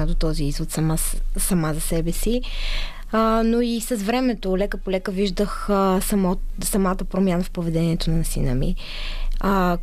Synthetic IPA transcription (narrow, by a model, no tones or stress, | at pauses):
ad̪ot̪ɔziizvot̪sɐmasɐmazɐsɛbɛsi | noisəzvɾɛmɛt̪olɛkəpolɛkəviʒd̪əxsmsɐmat̪əpɾomjanəfpovɛd̪ɛniɛt̪onɐnɐsinə̰mḭ